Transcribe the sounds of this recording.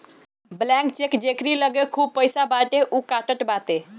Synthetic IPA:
blɛ̃k̚t͡ʃekd͡ʒekɾiləɡekʰub̚pəjsabaʈeʔukaʈəʈbat̪e

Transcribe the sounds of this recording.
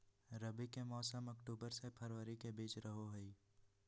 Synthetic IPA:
ɾəbikemɔːsəməkʈuːbəɾsepʰəɾʋəɾikebiːt͡ʃɾəɦoɦʊiː

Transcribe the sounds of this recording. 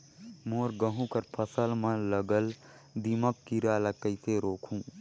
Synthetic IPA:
moːɾɡəɦũkəɾpʰəsəlmə̃ləɡəl | d̪iməkːiɾaləkːəɪseɾoːkʰũː

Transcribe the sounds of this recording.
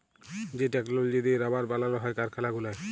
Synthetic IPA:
d͡ʑeʈɛklold͡ʑed̪iɾabaɾbalanoɦɔekaɾkʰalaɡulae

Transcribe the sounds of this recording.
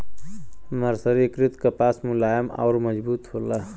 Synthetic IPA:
məɾsəɾikɾit̪kəpasmulajəma̰ʊɾməd͡ʒbuːt̪ɦola

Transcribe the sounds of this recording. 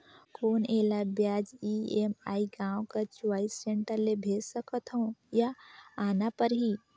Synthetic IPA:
koːneːlabjaːd͡ʒiemaːiɡãːõkat͡ʃwaːisːẽɳʈəɾlebʱeːd͡ʒsəkət̪ɦõjaaːnapəɾɦi

